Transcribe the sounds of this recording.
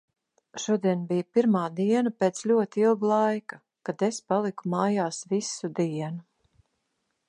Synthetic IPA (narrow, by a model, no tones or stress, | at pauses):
ʃuɔd̪iɛnbijpiɾmaːd̪iɛnapeːt̪slʲuɔt̪ilˠɡlˠajka | kad̪espalˠikumaːjaːsvisud̪iɛnu